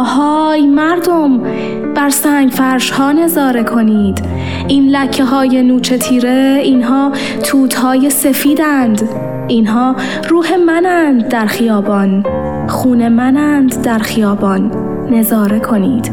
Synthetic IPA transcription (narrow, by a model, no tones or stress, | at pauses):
hɒːjmæɾd̪om | b̥æɾsæːŋɡfæɾʃhɒːne̞zɒːɾe̞kʰo̞niːd̪̥ | iːnlæcʰːeɦɒːje̞nuːt͡ʃʰe̞t̪ʰiːɾe̞iːnɦɒː | t̪ʰuːt̪ʰhɒːje̞se̞fiːd̪ænd̪ | iːnɦɒː | ɾuːhe̞mænænd̪ːæɾxijɒːbɒːn | xuːne̞mænænd̪d̪æɾxijɒːbɒːnː | e̞zɒːɾe̞kʰo̞niːd̪̥